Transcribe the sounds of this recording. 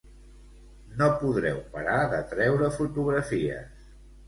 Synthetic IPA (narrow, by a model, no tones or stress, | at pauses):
nopuðɾɛ̰wpəɾaðət̪ɾɛwɾəfut̪uɣɾəfiə̰s